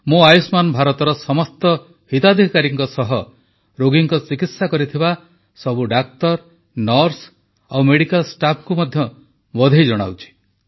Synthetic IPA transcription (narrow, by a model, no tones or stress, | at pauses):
mũajusmanbʱaɾɔt̪ɔɾɔsɔmɔst̪ɔ | hit̪ad̪ʱikaɾiŋkɔsɔɦɔ | ɾoɡiŋkɔt͡ʃikit̪sakɔɾit̪ʰiba | sɔbuɖak̚t̪ɔɾ | nɔɾs | awmeɽikalsʈapʰkumɔd̪ʱjɔ | bɔd̪ʱejd͡ʒɔɽ̃a̰wt͡ʃʰi̥